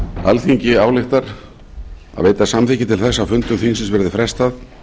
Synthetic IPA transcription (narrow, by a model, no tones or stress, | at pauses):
a̰lθiɲcɪaːwlɪxt̪aɾ̥ | a̰ðveːjt̪asamθicɪt̪ʰɪlθɛsːawfʏnt̪ʏmθinsɪnsvɛɾðɪfɾɛst̪að